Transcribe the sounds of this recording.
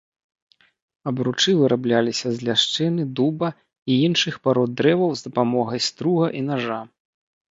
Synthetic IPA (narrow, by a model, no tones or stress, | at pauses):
ɐbɾut͡ʂɨvɨɾablʲalʲisʲɐzʲlʲaʂt͡ʂɛnɨd̪ubɐ | iinʂɨxpaɾɔd̪ːɾɛvɐwzd̪ɐpamɔɣɐjst̪ɾuɣɐʔinaʐa